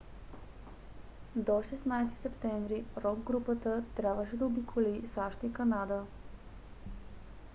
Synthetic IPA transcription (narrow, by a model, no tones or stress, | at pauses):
d̪ɔʃɛsnajst̪i̥sɛpt̪ɛɱvɾiɾɔɡɡɾupət̪ət̪ɾʲabvəʃɛd̪ɐobikʰolisaʃt̪ikɐnad̪ə